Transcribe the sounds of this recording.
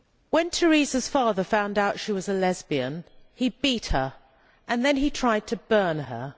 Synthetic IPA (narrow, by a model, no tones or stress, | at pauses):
wɨ̃ntʰə˞izəz̥fɑðə˞fãʊ̃ndaʊtʃiwʌzɨlɛzbiɨ̰̃nibit̚hə˞ | ʔɨ̃nðɨ̃nitʰɹ̥aɪd̚tʰɨbɜ̃˞nə̰˞